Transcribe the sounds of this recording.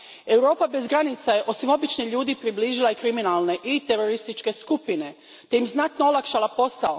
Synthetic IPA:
e̞wɾo̞ːpabe̞zɡɾanit̪saje̞ʔo̞simo̞bit͡ʃniʎuːd̪ipɾibliːʒilˠaikɾiminalˠne̞ʔit̪eɾo̞ɾist̪it͡ʃke̞skupine̞ | t̪e̞jimznat̪noolˠakʃalapo̞sao

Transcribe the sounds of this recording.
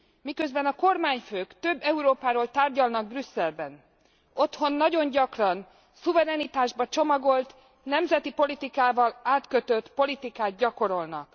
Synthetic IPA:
mikø̞zbɛnɒko̞rmaːɲføːkt̪ø̞bːɛuɾoːpaːɾoːlt̪aːrɟɒlnɒɡ̚brysːɛlbɛn | o̞t̪ho̞nːɒɟo̞ɲɟɒkrɒn | suvɛɾɛnit̪aːʒbɒt͡ʃo̞mɒɡo̞lt̪ | nɛmzɛt̪ipo̞lit̪ikaːvɒlaːt̪køt̪øt̪po̞lit̪ikaːd̪̚ɟɒko̞ɾo̞lnɒk

